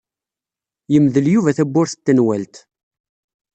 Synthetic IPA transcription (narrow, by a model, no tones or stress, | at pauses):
jəmðəljuvæθæbːʊɾθə̥t̪ːənwælt̪